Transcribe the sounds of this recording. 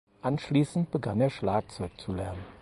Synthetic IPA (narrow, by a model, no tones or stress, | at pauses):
ʔanʃliːsn̩t̚b̥əɡaneːɐʃlaːk̚t͡sɔʏkt͡sulɛɐnən